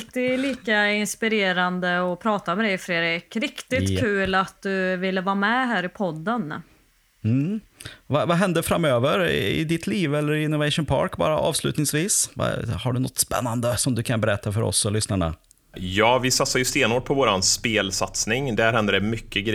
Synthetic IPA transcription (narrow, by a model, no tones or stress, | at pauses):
lt̪ɪliːkaɪnspɪɾeːɾand̪əɔpʰɾɑːt̪amɛd̪ɛjfɾeːɾekɾɪkt̪ɪkkʰʉ̟ːlat̪̚d̪ɵvɪlːəvɑːɾmɛɦæːɾɪpʰɔd̪ːən | m̩vɑvɑɦɛnd̪əfɾamøːvəɾɪ̰d̪ɪt̪ʰliːvɛlːəɾɪɪnːʊvɛɪʂʊnpʰɑ̰ːɾkbɑ̰ːɾaʔɑ̰ːvslʉ̟ːt̪nɪŋsviːsva̰haɖɵnɔt̪ːspɛ̰nːand̪əsɔmd̪ɵkʰanbɛɾɛt̪ʰːafœɾɔ̰sːɔlʏsnaɳa̰ | jɑːvɪsat̪saɾjɵst̪eːnoːʈ̚pʰɔvoːɾanspeːlsat̪snɪŋd̪æɾhɛnd̪əɖɛmʏkːəɡɾ